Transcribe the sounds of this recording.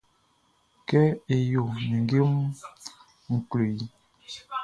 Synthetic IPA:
kɛ˦e˨jo˨ni˨ŋɡe˦m˦ | ŋ̩˨klo˨ji˦

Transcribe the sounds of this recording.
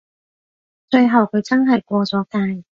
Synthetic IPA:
t͡ʃɵ˧ɥɦɐ˨˩wkʰɵ˨˧ɥt͡sɐ˥nɦɐ˨˩jkʷɔː˧t͡sɔː˨˥kaː˧j

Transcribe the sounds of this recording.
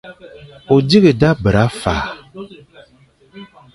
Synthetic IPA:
o˨di˦ɣə˨da˦bə˨ɾa˨˦fa̰ː˨

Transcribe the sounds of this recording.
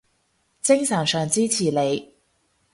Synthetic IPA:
t͡sɪ˥ŋsɐː˨˩ŋsœː˨ŋt͡siː˥t͡sʰiː˨˩le˨˧j

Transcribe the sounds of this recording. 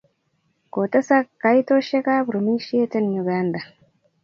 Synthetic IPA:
ko˨ta˦sa˦kːa˨˦jt̪o˦ʃe˦ka˦pɾo˨mi˦ʃi˦e˦te˦nju˨ɡa˦nd̪a˨

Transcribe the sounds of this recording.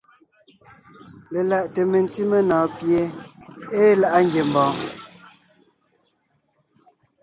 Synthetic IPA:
le˨la˨ʔte˨me˨n˦ti˦me˦nɔː˨˦pje˨˦eː˦la˨ʔa˦ŋɡje˨m˨bɔː˨˦

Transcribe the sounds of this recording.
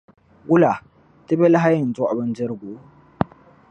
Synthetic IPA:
ɡʊ˦la˨ | tɪ˦be˦la˦ɦa˦jɪ˨n˨zo˦ʔa˨bɐ˦n˦d͡ʒɪ˦ɾɡʷoː˨

